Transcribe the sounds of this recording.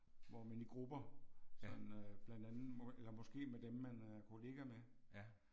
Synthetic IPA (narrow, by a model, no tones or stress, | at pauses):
ʋɒmeniɡ̥ʁub̥ɐsɒ̽d̥n̩øb̥lænd̥ænð̩ˠelɐmɒ̽sɡ̥e̝̰ːmed̥emmænæɐkʰo̝le̝ːɡ̥æme